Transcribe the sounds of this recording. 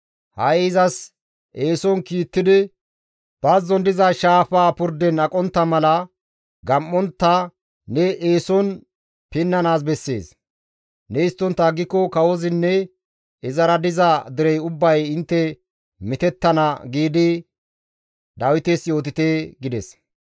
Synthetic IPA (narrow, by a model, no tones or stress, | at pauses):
hɐjɪzɐs | ʔe̞ːsɔnkiːt̪ːɪd̪ɪ | b̥ɐzɔnd̪ɪzaʃaːfaːpʊɾd̪ɛnɐkʼɔnt̪ːɐmɐlɐ | ɡɐmːɔnt̪ːɐ | nɛʔeːsɔn | pɪnːɐnaːs̬bɛsːe̞̰ːs | nɛɪst̪ːɔnt̪ːɐɡɪkːɔkɐwɔzɪnːɛ | ɪzɐɾɐd̪ɪzɐd̪ɪɾɛjʊbːɐjɪnt̪ːɛ | mɪt̪ɛt̪ːɐnɐɡiːd̪ɪ | d̪ɐwɪt̪esjo̞ːt̪ɪt̪eɡɪd̪ɛs